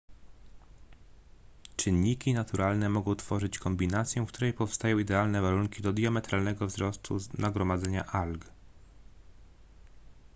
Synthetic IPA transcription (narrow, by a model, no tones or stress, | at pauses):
t͡ʂɘnːikʲinat̪uɾalnɛmɔɡɔ̃w̃t̪fɔʐɘt͡ɕkɔmbʲinat̪sʲjɛkt̪uɾɛjpɔfst̪ajɔ̃w̃id̪ɛalnɛvaɾuŋkʲid̪ɔd̪jamɛt̪ɾalnɛɡɔvzɾɔst̪ʰṵznaɡɾɔmad̪zɛɲa̰ʔalɡ